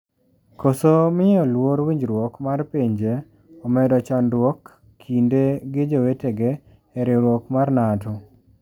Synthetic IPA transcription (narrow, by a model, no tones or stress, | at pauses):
kosomɪɔlwoɾwiɲd͡ʒɾwokmarpeɲd͡ʒe | ɔmɛdɔt͡ʃanɾwokʰː | indeɡɪd͡ʒoweteɡeː | ɾɪɾwokmarnatʊ